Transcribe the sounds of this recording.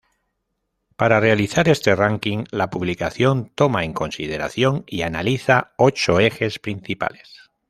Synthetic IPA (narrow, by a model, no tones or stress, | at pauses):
paɾare̞aliθaɾe̞st̪e̞raŋkiŋlapuβlikaθjo̞nt̪o̞mae̞ŋko̞nsið̞e̞ɾa̰θjo̞ŋianaliθao̞t͡ʃo̞e̞xe̞spɾinθipa̰les